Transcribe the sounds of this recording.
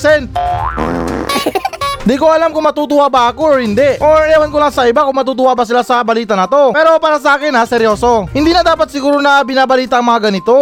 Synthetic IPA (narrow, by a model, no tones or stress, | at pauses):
sɛn | nd̪iːkoʔɐlamkʊŋmɐt̪uːt̪ʊʔabaɐkoɹhɪnd̪ɛʔʔoɹɐawankolaŋsɐʔɪbakʊŋmɐt̪uːt̪̬ʊwabɐsɪlasɐbɐliːt̪ɐnɐt̪o̞pɛːɾo̞paːɾɐs̬ɐʔaːkɪnɐsɛɾjo̞ːso̞hɪnd̪iːnɐd̪aːpɐt̪̚sɪɡuːɾonɐbɪnaːbɐliːt̪aʔɐŋmɐŋaɡɐnɪt̪o̞